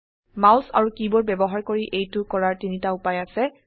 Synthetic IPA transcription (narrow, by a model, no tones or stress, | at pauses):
mawsa̰ɹukibɔɹbɛbɔɦaɹkoɹiʔejtʊkɔɹaɹtinitaʊpajasɛ